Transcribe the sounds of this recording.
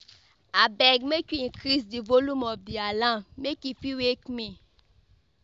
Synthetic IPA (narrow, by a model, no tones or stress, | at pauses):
abɛɡmekiĩkɾisdivolumɔbdialãmekifiwekmĩ